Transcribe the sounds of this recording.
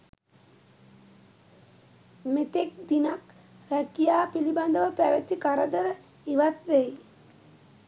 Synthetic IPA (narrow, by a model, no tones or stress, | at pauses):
met̪ek̚d̪inak | ɾækijaːpiliband̪əʋəpæʋet̪ikaɾəd̪əɾə | iʋat̪ɾej